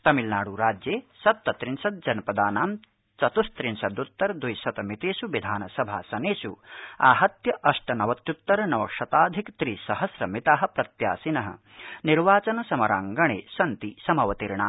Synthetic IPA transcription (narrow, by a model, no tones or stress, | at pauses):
t̪ɐmilnaːɽuɾaːd͡ʒjeːsɐt̪ːɐt̪ɾinsɐt̪̚d͡ʒɐnɐpɐd̪aːnaːm | t͡ʃɐt̪ust̪ɾinsɐd̪ut̪ːɐɾd̪ujsɐt̪ɐmit̪eːsuʋid̪ʱaːnɐsɐbʱa̰ːsɐneːsuaːɦɐt̪jɐʔɐʂʈɐnɐʋɐt̪jut̪ːɐɾɐnɐʋɐkʂɐt̪aːd̪ʱikt̪ɾiːsɐɦɐsɾɐmit̪aːɦɐ̆pɾɐt̪ja̰ːsinɐɦɐ̰ | niɾʋaːt͡ʃɐnɐsɐmɐɾa̰ːŋɡɐɳḛːsɐnt̪isɐmɐʋɐt̪iɾɳa̰ː